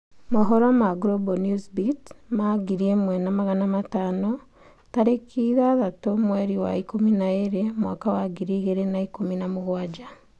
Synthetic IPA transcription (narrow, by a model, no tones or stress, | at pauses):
maɦoɾamaɡɾobonusbitmaɡiɾiemwenamaɣanamataːno | taɾekʰiðaðatomweɾiwa̰ikuminaeɾemwa̰ːkawaɡiɾiɣeɾenaikuminamuɣwad͡ʒa